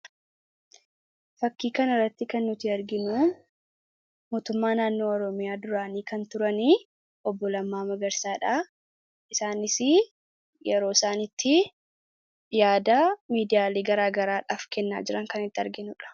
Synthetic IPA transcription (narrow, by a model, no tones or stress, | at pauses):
fɐkːiːkɐnɐrːɐt̪ːɪkɐnːʊt̪iːɐɾɡɪnu | moːt̪ʊmːaːnaːnːo̞ːɔɾɔmɪjaːd̪ʊɾaːniːkɐnt̪ʊɾɐniː | ʔɔbːɔlɐmːaːmɐɡɐɾsaːᶑa | ʔɪsaːnɪsɪ | jɛɾo̞ːɪsaːnɪt̪ʰːɪ | jaːd̪aːmiːd̪ɪjaːleːɡɐɾaːɡɐɾaːᶑaːfkɛnːa̰ːd͡ʒɪɾɐŋkɐnɪt̪ːɪɐɾɡɪnʊᶑɐ̥